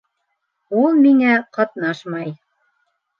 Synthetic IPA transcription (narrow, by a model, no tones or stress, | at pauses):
ulˠmiŋæqɑt̪nɑʃmɑj